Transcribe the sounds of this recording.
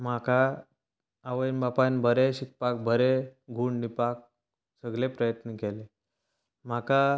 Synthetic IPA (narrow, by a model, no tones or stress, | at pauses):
m̤akaː | ʋəjnbapanbʱəɾeɕik̚pak̚bʱəɾeɡʱuːɳipak̚ | səɡlepɾəjət̪nəkele | m̤aka